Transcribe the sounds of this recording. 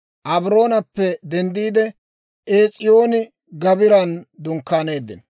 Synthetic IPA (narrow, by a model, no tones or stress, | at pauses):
ʔɐbɾo̞ːnɐpːɛd̪ɛnd̪iːd̪ɛ | ʔeːt͡sʼɪjo̞ːnɪ | ɡɐbɪɾɐnd̪ʊŋkːaːne̞ːd̪ːɪnɐ